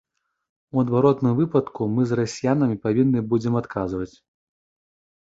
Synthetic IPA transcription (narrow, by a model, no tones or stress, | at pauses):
uɐd̪vaɾɔt̪nɨmvɨpɐt̪kumɨzrasʲijanɐmʲipavʲinːɨbud͡zʲɛmat̪kʰazvɐt͡sʲ